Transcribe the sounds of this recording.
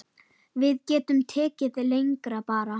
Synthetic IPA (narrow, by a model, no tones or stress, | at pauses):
vɪðcɛːt̪ʏmt̪ʰɛːcɪðlejŋkɾapaːɾa